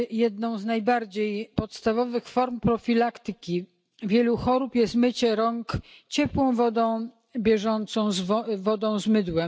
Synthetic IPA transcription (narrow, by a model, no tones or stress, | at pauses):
jɛd̪nɔ̃w̃znajbaɾd͡ʑejpɔt̪st̪avɔvɘxfɔɾmpɾɔfʲilakt̪ɘkʲi | vʲjɛluxɔɾupjɛst̪mɘt͡ɕɛɾɔŋkt͡ɕɛpwɔ̃w̃vɔd̪ɔ̃w̃ | bʲjɛʐɔnt̪sɔ̃w̃zvvɔd̪ɔ̃w̃zmɘd̪wɛ